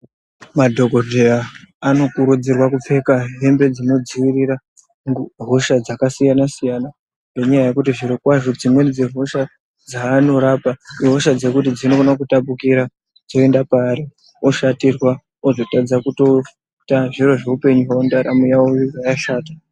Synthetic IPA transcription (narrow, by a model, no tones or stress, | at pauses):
madʱo̞ɡʱo̞deaːno̞kuɾud͡zirwakup͡fe̞kaɦe̞mbe̞d͡zino̞d͡ziwiriɾa | ŋɦoʃad͡zakasijanasijana | ŋɡeɲajaje̞kutiʐiɾekwaʐod͡zimwend͡zeɦo̞ʃa | d͡zaːno̞ɾapaɦoʃad͡ze̞kutid͡zino̞konakutapukiɾa | d͡zo̞e̞ndapaɾi | o̞ʃatirwa | o̞zo̞tad͡zakuto̞ | taʐiro̞ʐe̞upe̞ɲuɦawondaɾa̰mujawojojajaʃaːtḁ